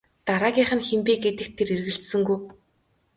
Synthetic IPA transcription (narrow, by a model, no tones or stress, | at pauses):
t̪aɾaːɣʲiːχə̆nxempeːɡet̪ɘ̆k̚t̪ʰːeɾirɣɘ̆ɬt̪sɘ̆ŋɡuj